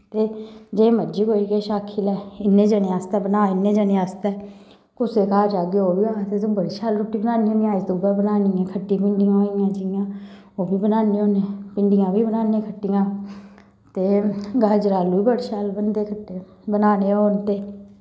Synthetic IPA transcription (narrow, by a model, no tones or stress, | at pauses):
t̪eːd͡ʒeːməd͡ʒiːkoːiːkeːʃaːkʰilɛːɪnːeːd͡ʒəneaːst̪ɛːbənaːɪnːeːd͡ʒəneaːst̪ɛː | kʊseːkaːd͡ʒaːɡeːoːbiːãːt̪eːt̪õːbəɽʃaːlɾʊʈːiːbənaːnĩõːnijãːɪsd̪uːbaːbənaːniːãːkʰəʈːiːpɪɳɖɪjãːɦoːijãːd͡ʒɪjãː | oːbiːbənaːnĩːoːnãːpɪɳɖɪjãːbiːbənaːnĩːkʰəʈːɪjãː | t̪eːɡaːd͡ʒɾaːluːiːbəɽʃaːlbənd̪eːkʰəʈːe | bənaːneːoːnt̪eː